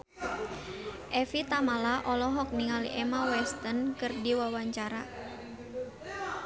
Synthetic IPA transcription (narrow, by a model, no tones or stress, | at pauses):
ʔɛfit̪amalaʔɔlɔɦɔk̚niŋalḭʔɛmawɛst̪ənkɨrdiwawaɲt͡ʃaɾa̰